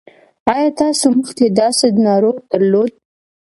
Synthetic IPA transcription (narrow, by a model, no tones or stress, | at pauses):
ɑjɑt̪ɑsoməxt̪ed̪ɑsed̪nɑɾoɣd̪̥əɾlod̪̚